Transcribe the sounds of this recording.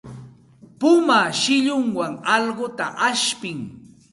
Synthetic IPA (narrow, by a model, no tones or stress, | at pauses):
pʊmaʃɪʎʊŋwaŋɑʎɢʊt̪a̰ʔaʃpɪŋ